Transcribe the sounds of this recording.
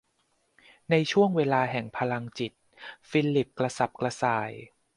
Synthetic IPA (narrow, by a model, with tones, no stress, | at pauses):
na˧jt͡ɕʰu˥˩əŋweː˧laː˧ɦɛ˨˩ŋpʰa˧la˧ŋt͡ɕi˨˩t̪̚ | fiː˧lːi˨˩p̚kla˧sa˨˩p̚kla˧saː˨˩˦j